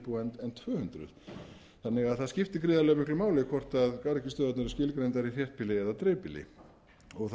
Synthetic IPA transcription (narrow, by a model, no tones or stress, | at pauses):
puɛnɛnt̪ʰvœːhʏnt̪ɾʏ̰ð | θanːɪɣaðθaðscɪft̪ɪkɾɪːðalɛɣmɪklʏmaːwlɪkʰvɔr̥t̪aðkaɾcɪst̪œːðat̪nʏɾɪscɪlkɾejnt̪aɾiθjɛr̥t̪pʰɪlɪɛðat̪ɾeːpɪlɪ̰ | ɔɣθ